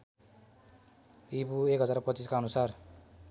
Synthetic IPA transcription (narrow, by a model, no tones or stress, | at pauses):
ibuekɦʌd͡zarpʌt͡siskaʌnusar